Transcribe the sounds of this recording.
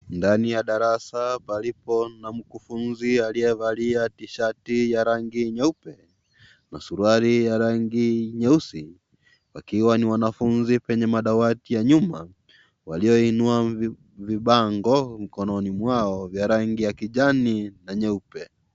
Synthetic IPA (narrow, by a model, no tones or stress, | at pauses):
ndanijaɗaɾasapalipɔnam̩kufunzialiɛvaliatiʃatijaɾaŋɡiɲɛupɛ | nasuɾuaɾijaɾaŋɡiɲɛusi | wakiwaniwanafunzipɛɲɛmaɗawatijaɲuma | waliɔinua | viɓaŋɡɔm̩kɔnɔnimwaɔvjaɾaŋɡijakiʄaninaɲɛupɛ